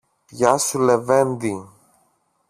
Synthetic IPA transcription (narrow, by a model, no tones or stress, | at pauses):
pʝɐsule̞vend̪i